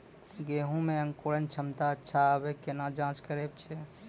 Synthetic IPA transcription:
ɡeɦũmẽə̃ŋkolənt͡ʃʰəmt̪aətːʃʰaəbekenad͡ʒãt͡ʃkəɾeb̚t͡ʃʰɛ

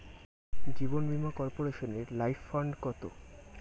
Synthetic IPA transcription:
d͡ʑibonbimakɔɾpoɾeʃoneɾlajfːaɳɖkɔt̪o̰

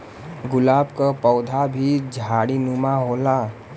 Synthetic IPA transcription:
ɡʊlaːbkəpɔʊd̪ʱabʱid͡ʒʱaɽinumaɦola

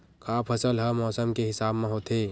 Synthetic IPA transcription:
kʰaːpʰəsəlɦəmɔːsəmkeɦɪsaːbmẽɦoːt̪eː

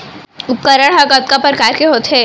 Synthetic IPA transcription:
ʊp̪kəɾəɽɦɐkɐt̪̚kapəɾkaːɾkeɦoːt̪ɦɛ

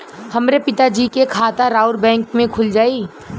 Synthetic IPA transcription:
hɐmɾepɪt̪ad͡ʒiːkekʰaːt̪aɾaːʊɾbɛ̃ːŋkmẽkʰʊld͡ʒaːi

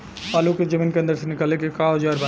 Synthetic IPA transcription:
paːluked͡ʒəmiːnkẽnd̪əɾsenɪkalekekaːɐd͡ʒaːɾba

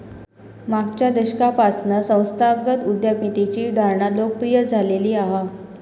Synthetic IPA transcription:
maɡt͡ɕjad̪əɕkapasnəsə̃w̃st̪ʰaɡət̪ud̪japit̪it͡ɕiːd̪ʱaɾɳat̪lok̚pɾijəd͡zʱaleliːaɦa

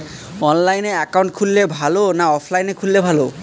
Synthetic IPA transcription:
ɔnlajneɛkawɳʈkʰulːebʱalonaɔpʰlajnekʰulːebʱalo

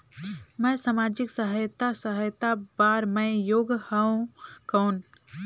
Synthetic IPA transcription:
mə̃jsamad͡ʒɪksəɦəjt̪asəɦəjt̪abaɾmə̃ɪjoːɡhəõkəːn

